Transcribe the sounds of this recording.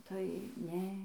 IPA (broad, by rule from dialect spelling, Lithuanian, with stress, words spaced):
tɐɪ ˈnʲɛ